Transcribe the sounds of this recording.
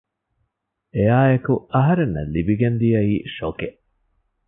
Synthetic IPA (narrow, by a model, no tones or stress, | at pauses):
ejaːekuɐɦɐɾenːɐ̰libiɡend̪ijɐiːʃokeʔ